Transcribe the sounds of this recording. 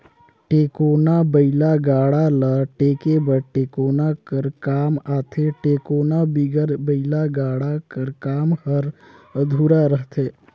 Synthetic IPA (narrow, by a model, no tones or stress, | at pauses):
ʈeːkoːnabəɪlaɡaːɽaləʈeːkebəɾʈeːkoːnakəɾkaːmaːt̪ʰeʈeːkoːnabiɡəɾbəɪlaɡaːɽakəɾkaːmhəɾ | əd̪ʱuɾaɾəɦt̪ʰeː